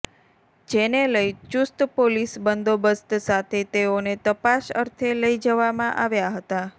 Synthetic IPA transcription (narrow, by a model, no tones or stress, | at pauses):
d͡ʒeneləjt͡ʃust̪polisbənd̪ʱobəst̪sat̪ʰet̪eonet̪əpaʃə̰ɾt̪ʰeləid͡ʒəʋamãʔaʋjaɦət̪a